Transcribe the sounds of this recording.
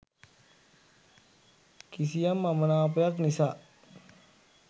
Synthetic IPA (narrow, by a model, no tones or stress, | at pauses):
kis̬ijamːamənap̬əjaknisaʔ